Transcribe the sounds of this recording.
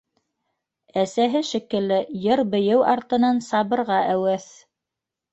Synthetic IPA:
æsæɦɘʃĭkɘ̆lːɘjɤɾbɘ̆jɘwʔɑɾt̪ɤ̆nɑnsɑβɤ̆ɾʁɑʔæwæθ

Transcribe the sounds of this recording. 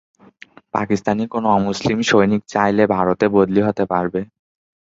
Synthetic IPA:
pa̰kist̪anikonoɔmuslimʃojnik̚t͡ɕajlebʱaɾot̪ebod̪liɦot̪epaɾbe

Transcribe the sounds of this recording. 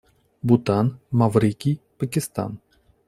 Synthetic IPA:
but̪anmavɾikʲijpəkʲɪst̪a̰n

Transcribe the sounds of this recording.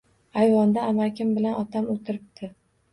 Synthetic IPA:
ajvɒnd̪aːmakʲʰɪmbɪlanɒt̪ʰamot̪ʰɪɾɪp̚t̪ʰɪ

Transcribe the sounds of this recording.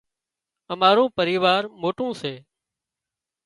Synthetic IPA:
əmaːɾõːpəɾiːʋaːɾmoːʈõːseː

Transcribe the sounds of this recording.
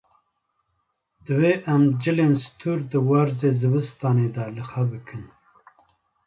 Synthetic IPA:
d̪̥ɨweːʔæmd͡ʒɨleːnst̪ʰuːɾd̪ɨwaɾzeːzɨbɨst̪ɑːneːd̪ɑlɨxabɨkʰɨn

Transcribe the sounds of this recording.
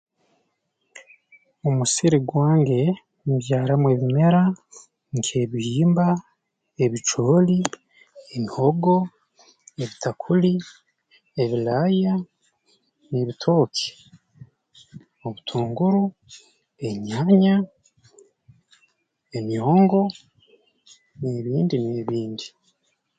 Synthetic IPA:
omusiɾiɡwaːŋɡe̞ | βjaːɾamwe̞βime̞ɾa | ŋke̞βiiːmba | eβit͡ʃoːli | emiho̞ɡo̞ | eβitakʰuli | eβilaja | neβitʰo̞ːki̥ | oβutʰuːŋɡuɾu | e̞ɲaɲa | eɲoːŋɡo̞ | neːβiːndineːβiːndi

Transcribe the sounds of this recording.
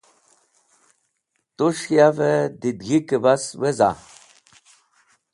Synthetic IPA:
t̪uʂjaved̪id̪ɡikebasweza̰

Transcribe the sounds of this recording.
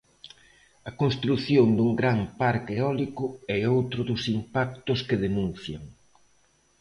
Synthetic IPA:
ɐkonst̪ɾuθjond̪uŋɡɾampaɾkeɔlikʊɛowt̪ɾʊðʊsimpak̚t̪ʊskeðenũn̟θjaŋ

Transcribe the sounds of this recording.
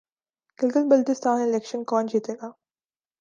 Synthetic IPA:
ɡ̥ɪlɡəlbəlʈ̪ɪst̪ʰaːnelekʃənkɔːnd͡ʒiːt̪eːɡaː

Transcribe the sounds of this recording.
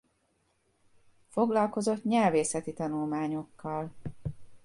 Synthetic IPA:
fo̞ɡlɒlko̞zo̞t̪ɲɛlveːsɛt̪it̪ɒnulmaːɲo̞kːɒl

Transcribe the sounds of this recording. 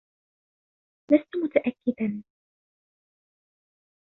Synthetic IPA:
last̪ʊmʊt̪aʔakːɪd̪an

